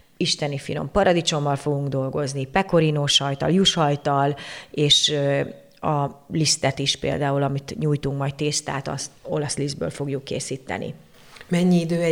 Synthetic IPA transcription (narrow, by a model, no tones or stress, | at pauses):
iʃt̪ɛnifḭlo̞̰mpɒɾɒd̪it͡ʃo̞mːɒlfo̞ɡuŋɡd̪o̞lɡo̞znipɛko̞ɾinoːʃɒjt̪ɒ̰ljuʃɒjt̪ɒleːʃ | ɒlist̪ɛt̪iʃpḛːld̪aːulɒmit̪ɲuːjt̪uŋkmɒj̚t̪eːst̪a̰ːt̪ɒ̰st̪o̞lɒslizbø̰ːlfo̞ɡjukːḛːsiːt̪ːɛ̰nḭ | mɛɲːiid̪øːɛ